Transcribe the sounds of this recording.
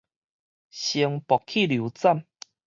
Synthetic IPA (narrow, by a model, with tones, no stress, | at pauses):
ɕi˧ŋpɔ˨˩kʰi˥˨lju˨˦t͡sa˥˨m